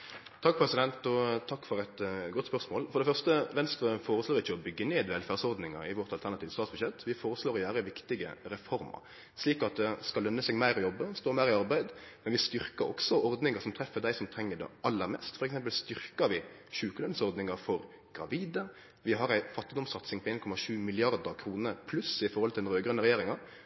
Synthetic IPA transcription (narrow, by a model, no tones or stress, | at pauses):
t̪ʰɑk̚ːpʰɾɛsɪd̪ɛnt̪ɔt̪ʰɑkːfɔɾɛt̪ɡɔt̪spœʁsmoːlfɔɾd̪ɛfœʁst̪əʋɛnst̪ɾəfoːɾəsloːɾɪçːəɔbʏɡːəneːd̪ʋɛlfæːʁsɔɾd̪nɪŋə̰ɪʋɔʁt̪ɑlt̪ʰæʁnɑt̪iːʋəst̪ɑːt̪sbʉɕjɛt̪ʋɪfoːɾəsloːɾjæːɾəʋɪkt̪ɪɡə̰ɾɛfɔɾmɑ̰ɾ | ʂliːkɑt̪̚d̪ɛskɑlːœnːəsɛɡmæɪɾɔjɔbːəst̪oːmæɪɾɪɑɾbæɪd̪mɛnʋɪst̪ʏɾkəɾɔ̰ksɔɔɾd̪nɪŋəsɔmt̪ʰɾɛfːəd̪æɪsɔmt̪ʰɾɛŋːəd̪ɛ̰ʔɑlːəɾmɛ̰st̪fɔɾɛksɛmp̬əlst̪ʏɾkəɾʋɪ | ʃʉːkəlœnsɔɾd̪nɪŋəɾfɔɾ | ɡ̥ɾɑ̰ʋiːd̪ə | ʋɪɦɑɾæɪfɑt̪ːɪd̪ɔmsɑt̪sɪŋpʰɔeːnkʰɔmɑʂʉːmɪlɪɑɾd̪əɾkʰɾuːnəpʰlʉsɪfɔɾhɔlt̪ʰɪlɾøːɡɾœnəɾɛjeːɾɪŋɑɾ